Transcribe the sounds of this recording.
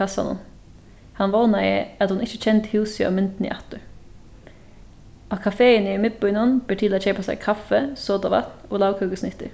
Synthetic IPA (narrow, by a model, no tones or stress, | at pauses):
ɑsɑ̰nɔ̰n | hɑnʋɑːnɑɪə̰ɑt̪hʊnɪçət͡ʃɛnt̪hʉːsɑ̰ʋmɪnt̪n̩ḭʔɑt̪ə | ʔɑːkʰɑfeːəniːmɪt̪̚bœʏnɔnb̥əʈʰɪlɑt͡ʃɛɪpʰoːsæ̰ɪkʰɑfəsoːd̪ɑʋɑ̰t̪oːlɑːʋkʰʉːɡəsnɪt̪ːə̰